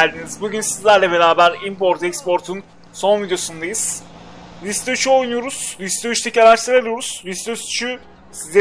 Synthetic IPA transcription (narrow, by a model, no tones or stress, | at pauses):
lʲd̪inizbuɟynsizlʲæɾlʲɛbe̞ɾaːbæɾimpo̞ɾt̪ɛkspo̞ɾt̪ʰun | so̞nvid̪jo̞sund̪ajɯz̥ | lʲist̪ot͡ʃʰuo̞jnujo̞ɾuz̥lʲist̪oyt͡ʃt̪ʰecaɾaʃt̪aɾelˠijo̞ɾuz̥lʲist̪øst͡ʃʰy | sizʲe